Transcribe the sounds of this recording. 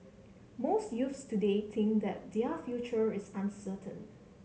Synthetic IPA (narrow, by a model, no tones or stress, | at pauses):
mostjufstudet̪ʰɪ̃ŋk̚d̪ɛt̚diəfjut͡ʃəɹɪsãnsətʰə̰̃n